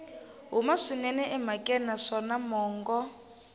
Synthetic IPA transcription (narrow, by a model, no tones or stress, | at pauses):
ɦumaʂinɛnɛʔɛmakʼɛnaʂɔnamɔːŋɡɔ